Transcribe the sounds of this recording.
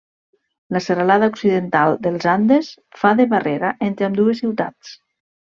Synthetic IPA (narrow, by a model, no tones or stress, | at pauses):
laseɾalaðauksiðent̪alˠd̪elˠzand̪es | faðeβareɾaʔent̪ɾeamd̪uesiwt̪a̰t͡s